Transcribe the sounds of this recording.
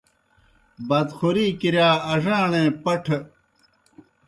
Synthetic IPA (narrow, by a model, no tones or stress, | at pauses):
bɐd̪xuɾiːkiɾjaːɐʐãːɳẽːpɐʈʰ